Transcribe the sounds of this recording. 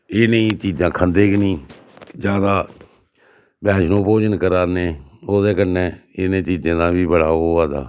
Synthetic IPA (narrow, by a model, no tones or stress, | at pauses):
ɪnẽːt͡ʃiːd͡ʒãːkʰənd̪eːknĩː | d͡ʒjaːd̪aː | bɛːʃnõːpoːd͡ʒənkəɾaːneːoːd̪eːkəneːɪnẽːt͡ʃiːd͡ʒãːd̪ãːbiːbəɽaːoːaːd̪a̰ː